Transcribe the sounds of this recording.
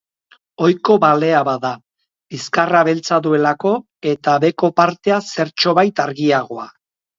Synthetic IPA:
o̞jko̞βale̞aβaða | iskaraβelt͡saðue̞lako̞ | e̞t̪aβe̞ko̞paɾt̪e̞ase̞ɾt͡ʃo̞βajt̪aɾɣiaɣ̞o̞a

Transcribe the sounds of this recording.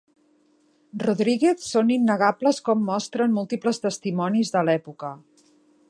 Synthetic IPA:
ruðɾiɣeθsoninːəɣapləskɔmːɔst̪ɾənmulˠt̪ipləst̪əst̪imɔnizðəlɛpukə

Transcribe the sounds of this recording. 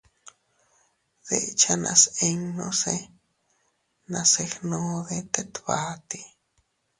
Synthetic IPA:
ð̥eʔt͡ʃʰanã̰seŋnõse | nãsexnõðet̪et̪βat̪i

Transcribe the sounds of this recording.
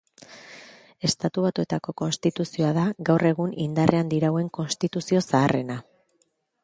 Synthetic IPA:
e̞st̪at̪uβat̪ue̞t̪ako̞ko̞nst̪it̪usio̞aðaɡawre̞ɣ̞unind̪are̞and̪iɾawe̞ŋko̞nst̪it̪usio̞saːre̞na

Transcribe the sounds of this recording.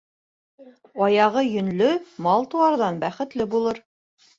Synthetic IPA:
ɑjɑʁɤjɵ̆nlɵmɑlˠt̪uɑɾðɑnbæχɘ̆t̪lɘbulˠɤɾ

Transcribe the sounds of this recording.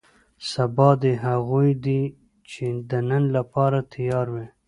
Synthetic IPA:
sabɑd̪eɦaɣujd̪i | t͡ʃed̪ənənlapɑɾat̪ʰijɑɾwi

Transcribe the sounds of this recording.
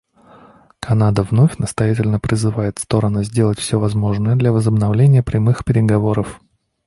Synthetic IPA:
kʰɐnad̪əvno̞fʲnəst̪ɐjætʲɪlʲnəpɾʲɪzɨvajɪt̪fst̪o̞ɾənʊzʲdʲe̞lˠətʲfsʲɵvɐzmo̞ʐnəjəd̪lʲɐvəzəbnɐvlʲenʲɪjəpɾʲɪmɨxpʲɪɾʲɪɡɐvo̞ɾəf

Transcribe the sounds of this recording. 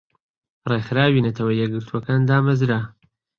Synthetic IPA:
rexɨɾaːwiːnɐt̪ʰɐwɐjɛɡɨɾt̪ʰuɐkaːnd̪aːmɐzɾa

